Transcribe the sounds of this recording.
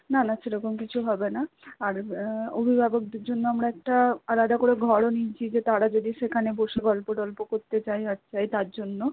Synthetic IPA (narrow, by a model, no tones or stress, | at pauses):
nanaʃeɾɔkomkit͡ɕʰuɦɔbenaaɾobʱibʱabok̚d̪eɾd͡ʑonːoamɽaɛk̚ʈaalad̪akoɽeɡʱɔɽonit͡ɕʰid͡ʑet̪aɽad͡ʑod̪iʃekʰaneboʃeɡɔlpoɖɔlpokoɾt̪et͡ɕajat͡ɕʰajt̪aɾd͡ʑonːo